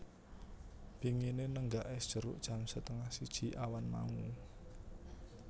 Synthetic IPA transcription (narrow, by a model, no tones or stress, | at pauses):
b̥i̤ŋinenəŋɡaʔɪsd̥ʒ̥ə̤ɾʊ̰ʔd̥ʒ̥a̤msət̪əŋahsid̥ʒ̥i̤ʔawanma̰ŋu